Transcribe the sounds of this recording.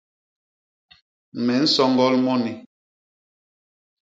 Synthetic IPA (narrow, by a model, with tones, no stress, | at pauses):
mɛ˨˦n̩˦sɔ˦ŋɡɔ˦lmɔ˦ni˨